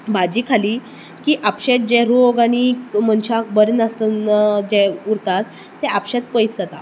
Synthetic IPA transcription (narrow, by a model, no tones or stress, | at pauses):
bad͡ʑiːkʰaliː | kiːʔapɕet̪̚d͡ʑɛ̃ɾoɡaɽ̃im̤əɳt͡ɕakbəɾnast̪ənd͡ʑɛuɾt̪at̪ː | ɛapɕet̪̚pəjt͡sət̪a